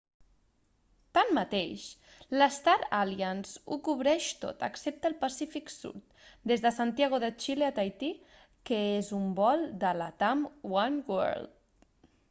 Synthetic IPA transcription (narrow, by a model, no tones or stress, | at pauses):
t̪amːət̪ḛʃ | ləst̪aɾaljənzṵkuβɾɛʃt̪o̰t̪ə̰ksep̚t̪əːlˠpasifiksṵɾt̪ | d̪ezðəsant̪jaɣ̞oðət͡ʃileat̪ajt̪i | kəezumbɔlˠd̪əla̰t̪amwanwɛ̰ɾlt̪̚